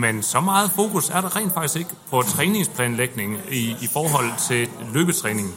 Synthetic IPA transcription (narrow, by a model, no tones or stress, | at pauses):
mensɒ̽mɑ̈ːð̩ˠfo̝̰ːkʰusæɐɾ̥ɑ̈ʁɛ̰ndfɑɡ̥isɡ̥e̝ɡ̥əpʰɒ̽t͡sʰʁɛːne̝ŋspʰlɛ̰ːnleɡ̥ne̝ŋifɒːɦɒ̽l̰t͡sʰe̝løːb̥ət͡sʰʁɛːne̝ŋn̩